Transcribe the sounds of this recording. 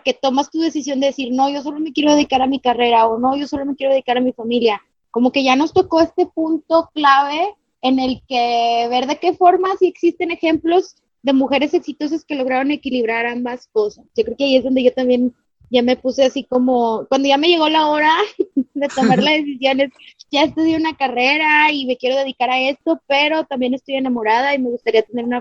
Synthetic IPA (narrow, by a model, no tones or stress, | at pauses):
ke̞t̪o̞mast̪uðe̞sisjo̞nd̪e̞ðe̞siɾno̞ʝo̞s̬o̞lo̞me̞kje̞ɾo̞ðeðikaɾamikare̞ɾao̞no̞ʝo̞so̞lo̞me̞kjeoeikaɾamifamilja | ko̞mo̞ke̞ʝano̞st̪o̞ko̞e̞st̪e̞punt̪o̞klaβ̞e̞ː | ne̞lke̞βe̞ɾðe̞ke̞fo̞ɾmasie̞ksist̪e̞ne̞xe̞mplo̞z | ðe̞muxe̞ɾe̞se̞ksit̪o̞s̬aske̞lo̞ɣ̞ɾaɾo̞nekiliβ̞ɾaɾambasko̞sasʝo̞kɾekeaie̞zðo̞nd̪e̞ʝo̞t̪ambje̞n | ɟ͡ʝame̞puse̞asiko̞mo̞kwand̪o̞ʝame̞ʝe̞ɣo̞lao̞ɾaðe̞t̪o̞maɾlazðe̞sisjo̞ne̞sɟ͡ʝaest̪eðjiounakare̞ɾaime̞kje̞ɾo̞ð̞e̞ðikaɾae̞st̪o̞pe̞ɾo̞t̪ambje̞ne̞st̪o̞je̞namo̞ɾað̞aime̞ɣust̪aɾiat̪e̞ne̞ɾuna